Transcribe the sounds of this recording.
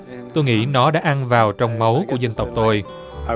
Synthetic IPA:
t̪o˧jŋḭ˧˥nɔ˨˦ɗa̰ː˧˨ʔa˧nvaː˨˩wt͡ɕɔ˧wŋ͡mmə˨˦wku˧˩əza˧ŋ̟t̪ə˨˩wk͡p̚t̪o˧j

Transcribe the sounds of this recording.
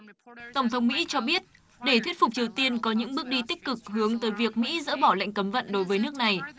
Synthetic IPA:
t̪ə˧˩wŋ͡mt̪ʰə˨˦wŋ͡mmḭ˧˥t͡ɕɔ˧ɓi˦˥ət̚ | ɗe˧˩t̪wi˦˥ət̚fʊ˨˩k͡p̚t͡ɕi˨˩əwt̪i˧ənkɔ˨˦ɲɨ̰˧˥ŋɓɨ˦˥ək̚ɗi˧t̪ï˦˥k̟̚kɨ˨˩k̚hɨ˨˦əŋt̪əː˨˦jvi˨˩ək̚mḭ˧˥zə̰ː˧˥ɓɔ˧˩lə̰˧˨jŋ̟kə˨˦mvə̰˧˨nɗo˨˦jvəː˨˦jnɨ˦˥ək̚na˨˩j

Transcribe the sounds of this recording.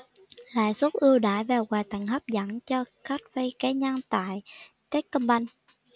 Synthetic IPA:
la̰ː˧˨jsu˦˥t̚ʔɨ˧əwɗaː˧˩jvaː˨˩wɣwaː˨˩jt̪a˧˨˩ŋ̟ɦə˦˥p̚za˧˩ŋt͡ɕɔ˧xa˦˥t̚və˧jkaː˨˦ɲaː˧ŋt̪a̰ː˧˨jt̪e˦˥t̚kə˧mɓa˧jŋ

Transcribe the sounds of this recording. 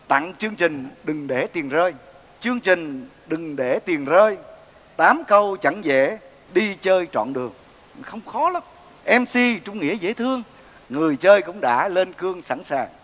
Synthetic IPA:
t̪a̰˧˨ŋt͡ɕɨ˧əŋt͡ɕï˨˩ŋ̟ɗɨ˨˩ŋɗe˧˩t̪i˨˩ənzəː˧j | t͡ɕɨ˧əŋt͡ɕï˨˩ŋ̟ | ɗɨ˨˩ŋɗe˧˩t̪i˨˩ənzəː˧j | t̪aː˨˦mkə˧wt͡ɕa˧˥ŋzḛ˧˨ | ɗi˧t͡ɕəː˧jt͡ɕɔ̰˧˨nɗɨ˨˩əŋ | xə˧wŋ͡mxɔ˨˦laː˨˦m | ʔɛ˧msi˧t͡ɕʊ˧ŋ͡mŋḭ˧˥əzḛ˧˥t̪ʰɨ˧əŋ | ŋɨ˨˩əjt͡ɕəː˧jkʊ̰˧˥wŋ͡mɗa̰ː˧˥le˧nkɨ˧əŋsa̰˧˩nsaː˨˩ŋ

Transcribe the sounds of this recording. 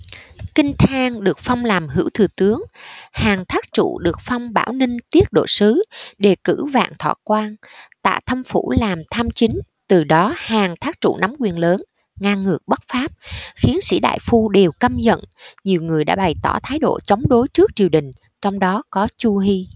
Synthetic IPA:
kï˧ŋ̟t̪ʰaː˧ŋɗɨ˨˩ək̚fɔ˧wŋ͡mlaː˨˩mɦɨ̰˧˥wt̪ʰɨ˨˩t̪ɨ˨˦əŋhaː˨˩ŋt̪ʰaː˦˥k̚t͡ɕṵ˧˨ɗɨ˨˩ək̚fɔ˧wŋ͡mɓa̰ː˧˩wnï˧ŋ̟t̪i˦˥ət̚ɗo̰˧˨sɨ˨˦ɗe˨˩kɨ̰˧˥va̰ː˧˨nt̪ʰwa̰ː˧˨˩kwaː˧nt̪a̰ː˧˨t̪ʰə˧mfṵ˧˩laː˨˩mt̪ʰaː˧mt͡ɕï˨˦ŋ̟ | t̪ɨ˨˩ɗɔ˨˦haː˨˩ŋt̪ʰaː˦˥k̚t͡ɕṵ˧˨na˨˦mkwi˨˩ənləː˨˦n | ŋaː˧ŋːɨ˨˩ək̚ɓə˦˥t̚faː˦˥p̚xi˨˦ənsḭ˧˥ɗa̰ː˧˨jfu˧ɗe˨˩wkə˧mzə̰˧˨nɲi˨˩əwŋɨ˨˩əjɗa̰ː˧˥ɓa˨˩jt̪ɔ˧˩t̪ʰaː˨˦jɗo̰˧˨t͡ɕə˨˦wŋ͡mɗo˨˦jt͡ɕɨ˦˥ək̚t͡ɕi˨˩əwɗï˨˩ŋ̟ | t͡ɕɔ˧wŋ͡mɗɔ˨˦kɔ˨˦t͡ɕu˧ɦi˧

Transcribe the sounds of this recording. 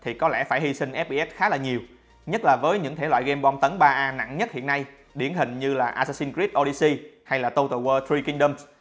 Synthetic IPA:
t̪ʰi˨˩kɔ˨˦lɛ̰˧˩faː˧˩jhi˧sï˧ŋ̟ʔɛ˦˥p̚ɓi˧ʔɛ˦˥t̚xaː˨˦laː˨˩ɲi˨˩əw | ɲə˦˥t̚laː˨˩vəː˨˦jɲɨ̰˧˥ŋt̪ʰe˧˩lwa̰ː˧˨jɣe˧mɓɔ˧mt̪ə˨˦nɓaː˧ʔaː˧na̰˧˨ŋɲə˦˥t̚hḭ˧˨ənːa˧j | ɗi˧˩ənɦï˨˩ŋ̟ɲɨ˧laː˨˩ʔaː˧saː˧si˧nkɾi˦˥p̚ʔo˧ɗi˧si˧ha˧jlaː˨˩t̪ə˧wt̪ə˧˩wəː˧t̪ɾi˧ki˧ŋɗə˧ms

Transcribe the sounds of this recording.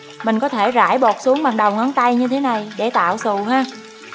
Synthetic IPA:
mï˨˩ŋ̟kɔ˨˦t̪ʰe˧˩za̰ː˧˩jɓo˨˩t̚su˨˦əŋɓa˨˩ŋɗə˨˩wŋ͡mʔə˨˦nt̪a˧jɲɨ˧t̪ʰe˨˦na˨˩jɗe˧˩t̪a̰ː˧˨wsɨ̰˧˨ɦaː˧

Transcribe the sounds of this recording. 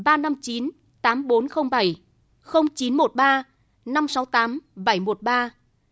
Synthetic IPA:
ɓaː˧na˧mt͡ɕi˨˦n | t̪aː˨˦mɓo˨˦nxə˧wŋ͡mɓa˧˩j | xə˧wŋ͡mt͡ɕi˨˦nmo˨˩t̚ɓaː˧ | na˧msa˨˦wt̪aː˨˦mɓa˧˩jmo˨˩t̚ɓaː˧

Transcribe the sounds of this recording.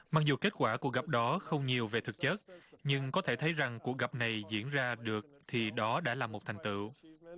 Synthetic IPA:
maː˧˩k̚zu˨˩ke˦˥t̚kwaː˧˩ku˧˨˩ək̚ɣa˨˩p̚ɗɔ˨˦xə˧wŋ͡mɲi˨˩əwve˨˩t̪ʰɨ˨˩k̚t͡ɕə˦˥t̚ɲɨ˧ŋkɔ˨˦t̪ʰe˧˩t̪ʰə˨˦jza˨˩ŋku˨˩ək̚ɣa˨˩p̚na˨˩jzḭ˧˥ənzaː˧ɗɨ˨˩ək̚t̪ʰi˨˩ɗɔ˨˦ɗa̰ː˧˩laː˨˩mo˨˩t̚t̪ʰa˨˩jŋ̟t̪ɨ̰˧˨

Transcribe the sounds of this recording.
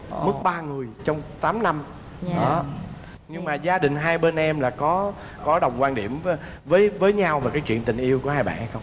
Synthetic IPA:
mɨ˦˥k̚ɓaː˧ŋɨ˨˩əjt͡ɕɔ˧wŋ͡mt̪aː˨˦mna˧m | ɗɔ˨˦ | ɲɨ˧ŋmaː˨˩zaː˧ɗï˨˩ŋ̟ɦaː˧jɓe˧nʔɛ˧mlaː˨˩kɔ˨˦ | kɔ˨˦ɗə˨˩wŋ͡mkwaː˧nɗḭ˧˩əm | vəː˨˦jvəː˨˦jɲa˧wvaː˨˩kaː˨˦jt͡ɕwḭ˧˨ənt̪ï˨˩ŋ̟ʔi˧əwku˧˩əhaː˧jɓa̰ː˧˨ha˧˦jxə˧wŋ͡m

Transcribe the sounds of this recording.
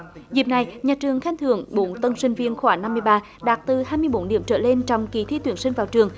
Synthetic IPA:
zi˨˩p̚na˨˩jɲaː˨˩t͡ɕɨ˨˩əŋxa˧˦nt̪ʰɨ˧˦əŋɓo˧˦nt̪ə˧nsï˧ŋ̟vi˧ənxwaː˧˩ŋna˧mːɨ˧əjɓaː˧ | ɗaː˨˩t̚t̪ɨ˨˩haː˧jmɨ˧əjɓo˧˨˦nɗḭ˧˩əmt͡ɕəː˧˩le˧nt͡ɕɔ˧wŋ͡mki˨˩t̪ʰi˧˦t̪wi˨˧˩ənsï˧ŋ̟vaː˨˩wt͡ɕɨ˨˩əŋ

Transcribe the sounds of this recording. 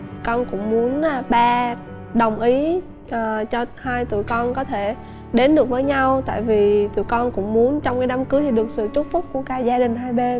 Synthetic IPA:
kɔ˧nkʊ̰˧˥ŋ͡mmu˨˦ən˨˩ɓaː˧ | ɗə˨˩wŋ͡mʔi˨˦ | ʔəː˨˩t͡ɕɔ˧haː˧jt̪ṵ˧˨jkɔ˧nkɔ˨˦t̪ʰe˧˩ | ɗe˨˦nɗɨ˨˩ək̚vəː˨˦jɲa˧wt̪a̰ː˧˨jvi˨˩t̪ɨ̰˧˨jkɔ˧nkʊ̰˧˥ŋ͡mmu˨˦ənt͡ɕɔ˧wŋ͡mkaː˨˦jɗaː˨˦mkɨ˨˦t̪ʰi˨˩ɗɨ˨˩ək̚sɨ̰˧˨t͡ɕʊ˦˥fʊ˦˥k͡p̚ku˧˩əkaː˧˦zaː˧ɗï˨˩ŋ̟ɦaː˧jɓe˧

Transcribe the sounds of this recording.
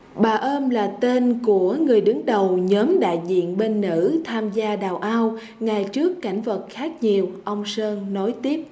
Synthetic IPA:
ɓaː˨˩ʔəː˧mlaː˨˩t̪e˧nku˧˩əŋɨ˨˩əjɗɨ˨˦ŋɗə˨˩wɲəː˨˦mɗa̰ː˧˨jzḭ˧˨ənɓe˧nːɨ̰˧˥t̪ʰaː˧mzaː˧ɗaː˨˩wʔaː˧w | ŋa˨˩jt͡ɕɨ˦˥əkːa˧˩jŋ̟və˨˩t̚xaː˦˥k̚ɲi˨˩əwʔə˧wŋ͡msəː˧nnɔ˨˦jt̪i˦˥əp̚

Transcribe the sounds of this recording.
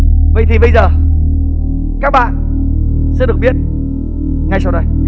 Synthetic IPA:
və̰˧˨jt̪ʰi˨˩ɓə˧jzəː˨˩ | kaː˦˥k̚ɓa̰ː˧˨n | sɛ̰˧˥ɗɨ˨˩ək̚ɓi˦˥ət̚ | ŋa˧˩jsa˧wɗə˧j

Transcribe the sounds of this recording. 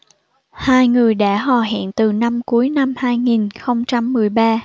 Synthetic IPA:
haː˧jŋɨ˨˩əjɗa̰ː˧˥ɦɔ˨˩ɦɛ̰ː˧˨nt̪ɨ˨˩na˧mku˨˦jna˧mhaː˧jŋi˨˩nxə˧wŋ͡mt͡ɕa˧mːɨ˨˩əjɓaː˧

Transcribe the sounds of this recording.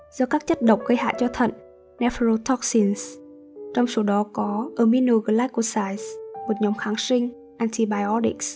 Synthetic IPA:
zɔ˧kaː˦˥k̚t͡ɕə˦˥t̚ɗə̰˧˨wŋ͡mɣə˧jɦa̰ː˧˨t͡ɕɔ˧t̪ʰə̰˧˨n | nɛ˧fɾo˧t̪ʰɔ˦˥k̚si˧ns | t͡ɕɔ˧wŋ͡mso˨˦ɗɔ˨˦kɔ˨˦ʔə˧mi˧no˧ɣə˧˩laː˦˥ku˧˩saː˧jzmo˨˩t̚ɲɔ˨˦ŋ͡mxaː˨˦ŋsï˧ŋ̟ | ʔaː˧nt̪ʰi˧ɓaː˧˩jɔ˦ɗi˦˥ks

